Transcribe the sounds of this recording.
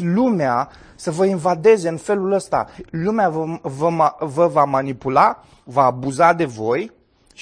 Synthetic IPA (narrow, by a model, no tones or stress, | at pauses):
lumea | səvəinvad̪e̞ze̞ɨnfe̞luləst̪a̰lumeavəvəvamanipula | vaːbuzad̪e̞vo̞j